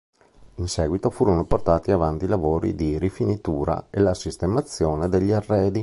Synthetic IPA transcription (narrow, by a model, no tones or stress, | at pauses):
insɛːɡwit̪ofuːɾonoport̪aːt̪iavant̪ilavoːɾḭd̪iɾifinit̪uːɾa̰elasist̪emat̪sːjoːned̪eʎːiarːɛːd̪i